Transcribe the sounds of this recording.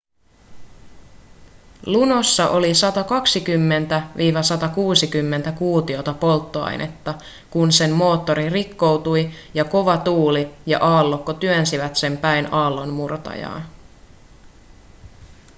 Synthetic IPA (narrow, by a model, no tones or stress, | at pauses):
luno̞sːɑʔo̞lisɑt̪ɑkɑksikymːe̞nt̪æʋiːʋɑsɑt̪ɑkuːsikymːe̞nt̪ækuːt̪io̞t̪ɑpo̞lt̪ːoɑ̰jnʔḛt̪ːɑ | kunse̞nmo̞ːt̪ːo̞ɾirikːo̞wt̪ujjɑko̞ʋɑt̪uːlijɑ̰ʔɑːlːo̞kːot̪yønsiʋæt̪se̞mpæjnɑːlːonmurt̪ɑ̰jɑ̰ːn